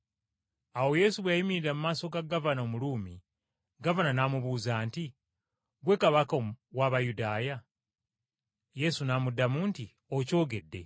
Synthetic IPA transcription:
awo̞je̞ːsuβwajimiɾiɾemumaːso̞ɡaɡavanomuluːmi | ɡavananaːmuβuzaːnti | ɡwe̞kaβakawaːβajudaːja | je̞sunaːmudːamuːnti | oco̞ːɡe̞dːe̞̰

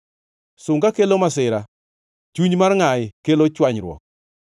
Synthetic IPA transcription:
sʊŋɡakelomasɪɾa | t͡ʃuɲmarŋaɪkelot͡ʃwaɲɾwɔ̰k̚

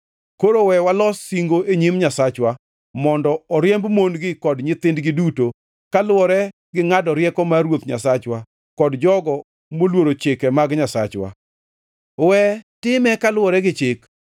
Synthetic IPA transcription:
koɾowɛwalɔsiŋɡoʔeɲimɲasat͡ʃwa | mɔndɔɔɾjɛmbmonɡɪkɔdɲɪt̪ɪndɡɪduto | kalwɔɾɛ | ɡɪŋadɔɾjɛkɔmaɾwot̪ɲa̰sat͡ʃwa | kɔdd͡ʒɔɡɔ | molwoɾot͡ʃɪkɛmaɡɲasat͡ʃwa̰ | wɛtɪmɛkalwɔɾɛɡɪt͡ʃɪk

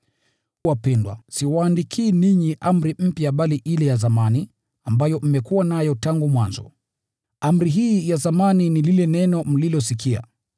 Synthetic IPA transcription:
wapɛndwa̰siwaːndikʰiːniɲiʔam̩ɾim̩pjaɓaliʔilɛjazamani | ambajɔm̩mɛkuwanajɔtaŋɡumwanzɔ̰ | am̩ɾiɦiːjazamaninililɛnɛnɔm̩lilɔsikia̰

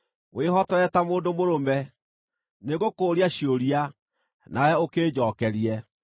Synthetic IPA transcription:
weɦɔtɔɛtamoːndomoɾomɛ | neɣokoːɾiaɕioɾia | naɾɛokeːd͡ʑɔːkɛɾiɛ

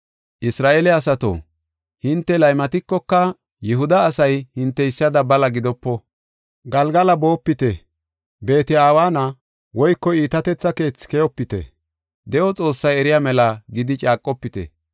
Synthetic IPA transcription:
ʔɪsɾaːʔeːlɛɐsɐt̪o̰ː | hɪnt̪ːɛlɐjmɐt̪ɪkːɔkːɐ | jɛɦʊd̪ɐːsɐjhɪnt̪ːɛɪsːɐd̪ɐbɐlɐɡɪd̪ɔpːɔ | ɡɐlɡɐlɐbo̞ːpːɪt̪ɛ | be̞ːt̪ɪaːwaːnɐ | wɔjkːɔiːt̪ɐt̪ɛt͡sːɐke̞ːt͡sːɪ̥kɛjɔpːɪt̪ɛ̰ | d̪ɛʔɔt͡sʼo̞ːsːɐjɛɾɪjaːmɛlɐɡɪd̪ɪt͡ʃʼaːkʼːɔpːɪt̪ɛ̰

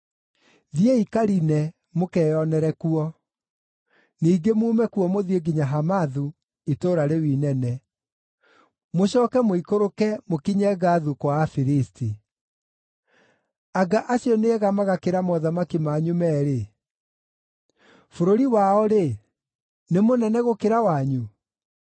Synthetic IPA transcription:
ðieikaɾinɛ | mokɛːjɔnɛɾɛkuɔ | niːɡemuːmɛkuɔmoðieɡiɲaɦamaðu | etoːɾaɾewiːnɛnɛ | moɕɔːkɛmoikoɾokɛmokiɲɛɣaðukwafiɾisti | aɡaʔaɕiɔneɛɣamaɣakeɾamɔðamakimaːɲumɛɾe | foɾoɾiwaɔɾe | nemonɛnɛɣokeɾawaɲu

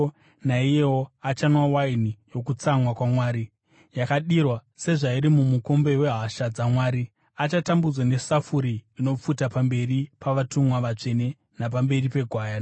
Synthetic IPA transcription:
naijewo̞at͡ʃanwawainijo̞kut͡samwakwamwaːɾi | jakaɗirwase̞ʐaiɾimumuko̞mbe̞we̞ɦaʃad͡zamwaːɾi | at͡ʃatambud͡zwane̞safuɾiːno̞p͡futapambe̞ripaʋatumwaʋat͡ʂe̞ne̞ | nap̬ambe̞ripe̞ɡʱwaːja

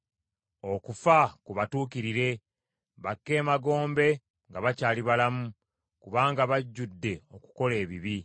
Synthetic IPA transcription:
o̞kufakuβatuːkiɾiɾe̞ | βakːe̞ːmaɡo̞ːmbe̞ | ŋɡaβacaːliβalamu | kuβaːŋɡaβaɟːudːe̞o̞ku̥ko̞le̞ːβiβi

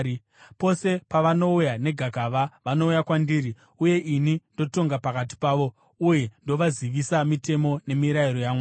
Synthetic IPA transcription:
po̞se̞paʋano̞ujane̞ɡʱaɡʱaʋaʋano̞ujakwandiːɾi | uje̞ʔinindo̞to̞ŋɡapakat̬i̥paːʋo̞ | uje̞ndo̞ʋaziʋisamite̞mo̞ne̞miɾaiɾo̞jaːma

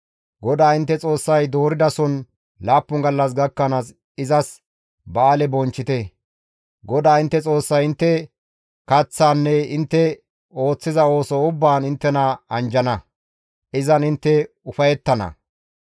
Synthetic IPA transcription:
ɡɔd̪aːɪnt̪ːɛt͡sʼo̞ːsːɐjd̪o̞ːɾɪd̪ɐsɔn | laːpːʊŋɡɐlːɐs̬ɡɐkːɐnaːs | ɪzɐs | baːlɛbɔnt͡ʃːɪt̪ɛ | ɡɔd̪aːɪnt̪ːɛt͡sʼo̞ːsːɐjɪnt̪ːɛ | kɐt͡sːaːnːɛɪnt̪ːɛ | o̞ːt͡sːɪzɐo̞ːsɔʊbːaːnɪnt̪ːɛnɐɐnd͡ʒɐnɐ | ʔɪzɐnɪnt̪ːɛ | ʊfɐjɛt̪ːɐnɐ̰

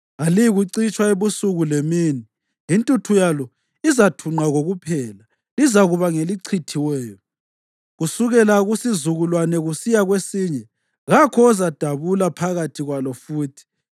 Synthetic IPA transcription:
aliɣuǀit͡ʃʼwaeβusuɣulemiːni | jintʼutʰujalɔ | izatʰuŋ͡ǃaɣoɣupʰɛːla | lizaɣuβaŋeliǀʰitʰiwɛːjɔ | ɣusuɣɛlaɣusizuɣulwanɛɣusijaɣwesiːɲɛ | ɣakʰɔːzad̥ʱaβulapʰaɣatʰiɣwalɔfuːtʰi̥

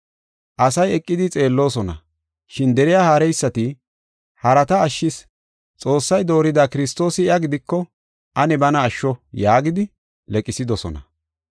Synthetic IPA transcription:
ʔɐsɐjɛkʼːɪd̪ɪt͡sʼe̞ːlːo̞ːsɔnɐ̰ | ʃɪnd̪ɛɾɪjahaːɾɛjsːɐt̪ɪ | hɐɾɐt̪ɐːʃːɪs | t͡sʼo̞ːsːɐjd̪o̞ːɾɪd̪aːkɪɾɪst̪o̞ːsɪɪɐɡɪd̪ɪkːɔ | ʔɐnɛbɐnɐːʃːɔjaːɡɪd̪ɪ | lɛkʼɪsɪd̪ɔsɔ̰nɐ̰

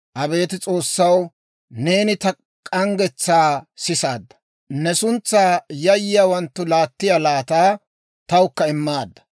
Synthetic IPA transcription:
ʔɐbe̞ːt̪ɪt͡sʼo̞ːsːɐw | ne̞ːnɪt̪ɐ | kʼɐŋɡɛt͡sːaːsɪsaːd̪ːɐ̥ | nɛsʊnt͡sːaːjɐjɪjaːwɐnt̪ːʊlaːt̪ːɪjalaːt̪aː | t̪ɐwkːɐɪmːaːd̪ːɐ̥

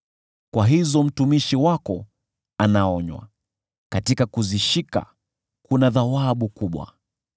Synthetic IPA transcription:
kwaɦizɔm̩tumiʃiwakɔ | anaɔɲwa̰ | katikakuziʃika̰ | kunaðawaɓukuɓwa̰

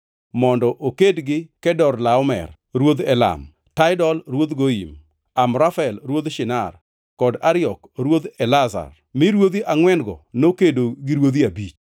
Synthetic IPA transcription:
mɔndɔʔokedɡɪkɛdɔrlaɔmɛ̰r | ɾwod̪ɛla̰m | taɪdɔlɾwod̪ɡoḭm | amɾafɛlɾwod̪ʃɪnar | kɔdaɾɪɔkɾwod̪ɛlaza̰r | mɪɾwod̪iʔaŋwɛnɡɔ̰nokedoɡɪɾwod̪iabit͡ʃ

